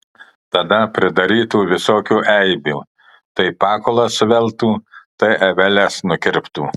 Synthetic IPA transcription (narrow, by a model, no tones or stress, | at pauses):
t̪ɐd̪ɐpʲɾʲɪd̪ɐɾʲiːt̪uːʋʲɪsoːkʲuːʔɛɪbʲuː | t̪ɐɪpɑːkoːlˠɐsʋʲɛlˠt̪uːt̪ɐɪʔɐʋʲɛlʲɛsnʊkʲɪɾʲpt̪uː